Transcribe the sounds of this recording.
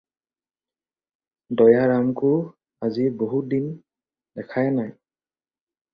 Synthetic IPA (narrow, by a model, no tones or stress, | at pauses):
dɔjaɹamkʊ | aziboɦut̚din | dɛkʰajanaj